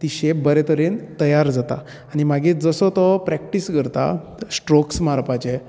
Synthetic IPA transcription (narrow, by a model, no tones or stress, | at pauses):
t̪iɕepbəɾɛt̪əɾent̪əjaɾd͡zat̪a̰ː | ñimaɡed͡zəsɔt̪ɔpɾɛk̚ʈisɡəɾt̪a̰sʈɾoksmaɾpat͡ɕe